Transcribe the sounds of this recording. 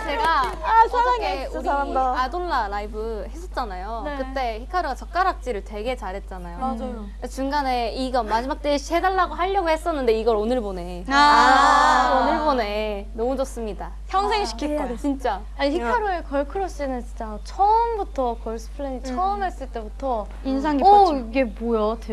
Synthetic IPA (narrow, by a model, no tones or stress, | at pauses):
t͡ɕe̞ɡaaaɡedaadonːaɾaibɯhe̞s͈ʰʌt̚t͡ɕ͈anajokɯtt͈e̞çikʰaɾoɡat͡ɕʌk̚k͈aɾak̚t͡ɕ͈iɾɯɭtwe̞ɡe̞t͡ɕaɾɦe̞t̚t͡ɕ͈anajoad͡ʑo | at͡ɕuŋɡane̞iɡʌmad͡ʑimak̚t͈eɕʰiɦe̞daɭːaɡoɦaʎːʌɡohe̞s͈ʌnːɯnde̞iɡʌɾonɯɭbone̞ | onɯɭbone̞nʌmud͡ʑos͈ɯmɲida | çʰjʌŋsʰe̞ŋɕi̥kʰikot͡ɕint͡ɕ͈a | aɲiçikʰaɾoekʌɭkʰɯɾoɕ͈inɯt͡ɕit͡ɕ͈a | t͡ɕʰʌmbutʰʌkʌɭs͈ʰɯ̥pʰɯɭeɲit͡ɕʰʌmɦe̞s͈ɯɭt͈e̞butʰʌ | insʰaŋɡiiɡebojʌt